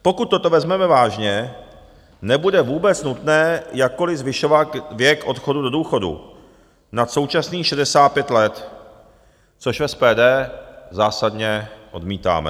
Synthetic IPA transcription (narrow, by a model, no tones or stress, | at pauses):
po̞kut̪tːo̞t̪o̞vɛzmɛmɛvaːʒɲɛ | nɛbudɛvuːbɛt͡snut̪nɛːjakkːo̞lɪzvɪʃo̞vat̪vjɛkʔo̞t̪xo̞dudoduːxo̞dṵ | nat̪so̞wt͡ʃasniːʃɛdɛsaːt̪̚pjɛt̪lɛt̪ | t͡so̞ʃvɛspɛːdɛːzaːsad̪ɲɛʔo̞dmiːt̪a̰ːmɛ̰